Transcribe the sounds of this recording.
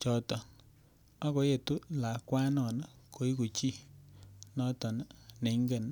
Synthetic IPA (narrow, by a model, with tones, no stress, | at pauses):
t͡ʃɔ˨tɔ˨ | a˦ko˨˦je˨tu˦la˨kwa˦nɔ˨na˦ko˨˦i˦ko˨t͡ʃi˦˨ | nɔ˦tɔ˨n˦ne˨ŋɡe˦˨n